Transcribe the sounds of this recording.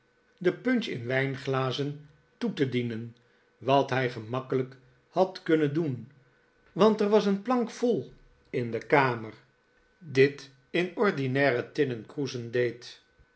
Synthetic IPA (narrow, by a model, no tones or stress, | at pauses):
dəpɵnsɪ̰nʋɛjnχlaːzən | tutədinən | ʋɑtɦɛjχəmɑkələk | hɑtkɵnəndun | ʋɑntɛɹʋɑsənplɑŋkfolˠ | ɪndəkaːməɹ | dɪt | ɪnɔɹdinɛːrətɪnənkruzəndejt